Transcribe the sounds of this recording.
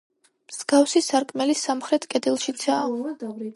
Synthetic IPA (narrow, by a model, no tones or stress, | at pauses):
mz̥ɡ̥afsisaɾkʼmɛlisamχɾɛt̪ʰkʼɛd̪ilˠʃit̪sʰaː